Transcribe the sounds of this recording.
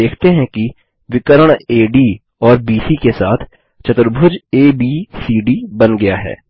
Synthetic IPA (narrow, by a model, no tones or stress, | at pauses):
eːkʰt̪eɦɛ̃ki | ʋɪkəɾəɳ̃eːɖiː | ɔːɾbiːsikesaːt̪ʰ | t͡ʃɐt̪ɾbʱʊd͡ʒeːbiːsiːɖibɐnɡɐjaɦɛ̰ː